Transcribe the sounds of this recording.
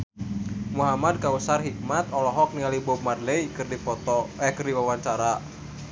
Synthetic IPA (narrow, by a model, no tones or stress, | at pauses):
muɦamad̚kausarɦik̚mat̪ɔlɔɦɔk̚nialibɔb̚madleikɨrdipɔt̪ɔɛkɨrdiwawaɲt͡ʃaɾa